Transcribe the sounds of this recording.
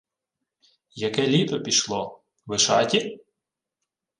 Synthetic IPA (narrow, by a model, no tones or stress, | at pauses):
jɐkɛlʲit̪ɔpʲiʃlˠɔ | ʋɪʃɑtʲi